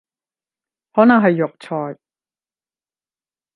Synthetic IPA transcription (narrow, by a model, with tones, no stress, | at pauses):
hɔː˨˥nɐ˨ŋɦɐ˨jːʊ˨˩k̚t͡sʰɔː˨˩j